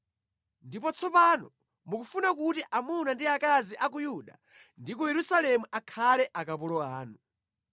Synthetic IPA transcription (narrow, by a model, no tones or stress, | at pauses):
ndipɔt͡sʰɔpanɔ | mukufunak̬utiʔamunandiakaziʔak̬ujuɗa | ndikɔjɛɾusalɛmuʔakʰalɛʔakapulɔaːnu